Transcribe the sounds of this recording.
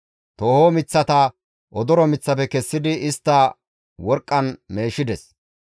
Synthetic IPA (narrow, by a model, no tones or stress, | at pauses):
t̪o̞ːhoːmɪt͡sːɐt̪ɐ | ʔɔd̪ɔɾɔmɪt͡sːɐpɛkɛsːɪd̪ɪɪst̪ːɐ | wɔɾkʼːɐnme̞ːʃɪd̪ɛs